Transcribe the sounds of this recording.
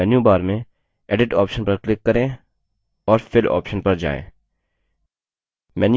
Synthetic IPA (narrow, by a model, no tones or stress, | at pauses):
ɛːnjubaːɾmẽ | ɛːɖɪʈɔ̰ːpʃənpɐɾklɪkːɐɾẽ | ɔːɾfɪlɔ̰ːpʃənpɐɾd͡ʒa̰ːḛ̃ː | mɛːn